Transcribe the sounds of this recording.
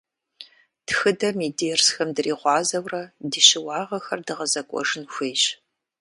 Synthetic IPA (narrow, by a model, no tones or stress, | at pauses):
txɨdɐmiːdiɛrsxɐmdɨriːʁʷɑːzɐwrɐdiːɕɪwɑːʁɐxɐrdɨʁɐzɐkʷʼɔ̰ʐɨnxʷejɕ